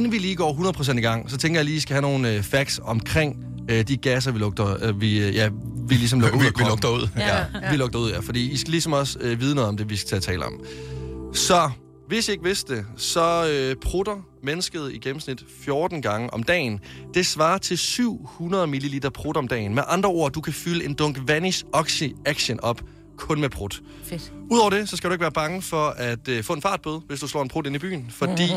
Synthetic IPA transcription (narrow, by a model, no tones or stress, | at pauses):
en̩ʋiliːɡ̥ɒ̰ːɦunɐð̩ˠpʰʁos̬endiɡ̥ɑ̈ŋ̰sɒ̽t͡sʰeŋɡ̥ɐjɑ̈liːisɡ̥æhæno̝ːn̩øfæɡ̥sɒ̽mkʰʁeŋ̰ | ød̥iɡ̥æs̬ɐʋilɔɡ̥̚d̥ɐʋijæʋilis̬ɒ̽mlɔɡ̥ɐṵkʰlɔɡ̥d̥ɐuð̰ˠjæʋilɔ̽ɡ̥̚d̥ɐuð̰ˠjæfɒ̽d̥ḭːisɡ̥ælisɒ̽mɒ̽sʋiːð̞ˠnɔ̽ːðˠɒmd̥e̝ʋisɡ̥ʰet͡sʰɛ̰ːləɒ̽m | sɒ̽ | ʋe̝sie̝ɡ̥ʋe̝sd̥de̝sɒ̽øpʰʁud̥ɐ | menəsɡ̥əð̞̩ˠiɡ̥em̩snid̥fjoːd̥n̩ɡ̥ɑ̈ŋəʔɒ̽md̥ɛ̰ːnd̥e̝sʋɑ̈ːt͡sʰe̝lsyʊ̰hunɐð̞ˠmililiːd̥ɐpʰʁod̥ɒ̽md̥ɛ̰ːnmeʔɑ̈nd̥ʁɐo̝ɐ̰d̥ukʰæfyləe̝nd̥ɔ̽ŋɡ̥ʋænisɒ̽ɡ̥siæɡ̥ɕənɒ̽b̥ | kʰɔ̽nmepʰʁod̥ | uðˠɒ̰ʊ̰ɐd̥e̝sɒ̽sɡ̥æɾ̥ueɡ̥ʋæːɐb̥ɑ̈ŋəfɒ̽æd̥øfɔ̰̽ːe̝nfɑ̈ːd̥̚b̥oð̞ˠʋe̝sd̥uslɒ̰ːenpʰʁude̝nib̥y̰ːn̩fɒ̽d̥ḭː